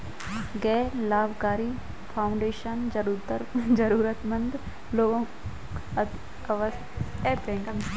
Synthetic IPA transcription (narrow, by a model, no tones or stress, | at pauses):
ɡɛːlaːbkaːɾi | pʰaːʊ̃ɳɖeːʃənd͡ʒɐɾut̪əɾd͡ʒɐɾuːɾət̪mɐ̃nd̪ | loːɡõ | ʋs | ɛːpẽkɐm